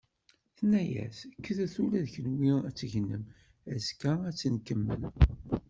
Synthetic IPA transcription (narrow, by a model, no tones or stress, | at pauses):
θnæjæ̰θkːəθæθulæðçənwiæt͡sːʝənːəm | æskææt͡sːənkəmːə̰l